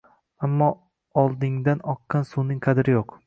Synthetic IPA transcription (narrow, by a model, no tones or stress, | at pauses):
amːɒ | ɒlˠd̪ɪŋd̪anɒqːɑnsunɪŋqʰɑd̪ɾɪjoq